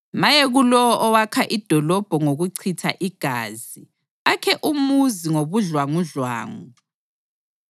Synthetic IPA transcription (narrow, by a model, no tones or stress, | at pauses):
majeɣulɔɔʔɔwakʰaʔid̥ʱɔlɔb̥ʱɔŋoɣuǀʰitʰaʔiɡ̥ʱaːzi | akʰɛʔumuziŋoβuɮwaŋuɮwa̰ːŋu